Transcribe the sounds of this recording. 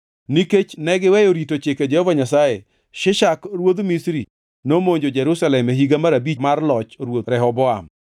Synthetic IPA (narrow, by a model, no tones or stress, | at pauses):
niket͡ʃnɛɡɪwɛjoɾitot͡ʃeked͡ʒɛhɔvaɲasaje | ʃɪʃakɾwod̪misɾi | nomoɲd͡ʒod͡ʒɛɾusalɛmeɦiɡamaɾabimarlɔt͡ʃɾwoɾɛɦɔbɔam